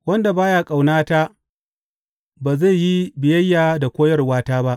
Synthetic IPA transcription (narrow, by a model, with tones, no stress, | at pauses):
wɐ˦nda˨baː˦jaː˦kʼa˨wnaː˦ta˦ | baː˨za˦˨ji˦bɪ˨jɐ˦jːaː˨da˨kʷoː˦jɐ˦rwaː˦taː˦ba˦ʔ